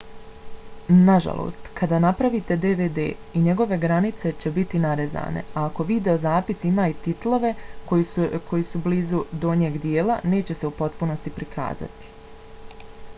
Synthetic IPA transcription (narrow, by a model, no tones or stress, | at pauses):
naʒa̰lˠʔo̰ːst̪kʰad̪aːnapɾaʋit̪e̞d̪eʋeːd̪ḛːiɲe̞ɡo̞ʋe̞ɡɾanit̪se̞t͡ɕe̞bit̪inaɾeza̰ːne̞̰aːko̞ʋid̪e̞o̞zaːpisimaːit̪it̪lˠo̞ʋe̞kojikʰo̞jisubliːzud̪o̞ɲeːɡd̪jeːlane̞ːt͡ɕe̞se̞upo̞t̪puno̞st̪ipɾikʰa̰ːza̰t̪i̥